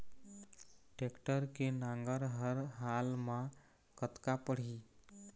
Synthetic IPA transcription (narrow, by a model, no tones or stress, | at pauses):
ʈekʈəɾkenãŋɡəɾɦəɾɦalmã | kət̪kapəɽ̤i